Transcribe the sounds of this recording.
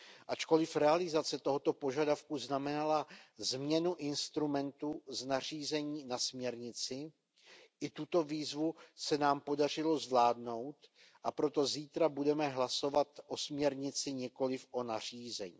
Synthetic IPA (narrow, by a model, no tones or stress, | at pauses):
ʔat͡ʃko̞lɪfɾɛalɪzat͡sɛt̪o̞ɦo̞t̪o̞po̞ʒadafkuznamɛnalazmɲɛnuʔɪnst̪ɾumɛnt̪uznariːzɛɲiːnasmɲɛɾɲɪt͡sɪ | ʔɪt̪ut̪o̞viːzvusɛnaːmpo̞dar̝ɪlo̞zvlaːdno̞wt̪ | ʔapɾo̞t̪o̞ziːt̪ɾabudɛmɛɦlaso̞vat̪ʔo̞smɲɛɾɲɪt͡sɪɲɛko̞lɪfʔo̞nar̝̥iːzɛɲiː